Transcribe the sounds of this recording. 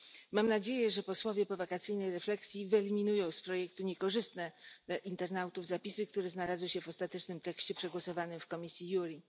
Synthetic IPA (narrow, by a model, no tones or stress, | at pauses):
mamnad͡ʑejɛʐɛpɔswɔvʲjɛpɔvakat̪sɘjnɛjɾɛflɛksʲjivɛlʲimʲinujɔ̃w̃spɾɔjɛkt̪uɲɛkɔʐɘst̪nɛʔint̪ɛɾnawt̪uvzapʲisɘk̚t̪uɾɛznalazwɘɕɛvɔst̪at̪ɛt͡ʂnɘmt̪ɛkɕt͡ɕɛpʂɛɡwɔsɔvanɘmfkɔmʲisʲjijuɾʲi